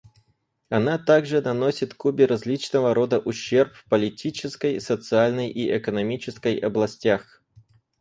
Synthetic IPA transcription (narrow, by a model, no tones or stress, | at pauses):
ɐnat̪aɡʐɨnɐnosʲɪt̪kubʲɪɾɐzʲlʲit͡ɕnəvəɾo̞d̪əʔʊɕːerpfpəlʲɪtʲʰit͡ɕɪskəjsət̪sɨalʲnəjʔiʔɛkənɐmʲit͡ɕɪskəjɐblˠɐsʲtʲax